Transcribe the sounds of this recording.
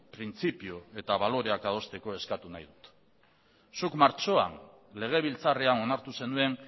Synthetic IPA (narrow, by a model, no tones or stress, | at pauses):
pɾint͡sipioe̞t̪aβalo̞ɾe̞akaðo̞st̪e̞ko̞e̞skat̪unajðut̪ | sukmaɾt͡ʃo̞a̰n | le̞ɣ̞e̞β̞ilt͡sare̞ano̞naɾt̪use̞nue̞n